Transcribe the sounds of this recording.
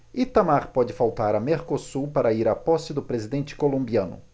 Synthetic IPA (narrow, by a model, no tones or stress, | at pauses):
ɪt̪amaɾpɔd͡ʒɪfawt̪aɾɐmeɾkosupaɾɐiɾapɔsɪd̪ʊpɾezid̪ẽnt͡ʃɪ̥kolõmbiɐ̃nʊ̰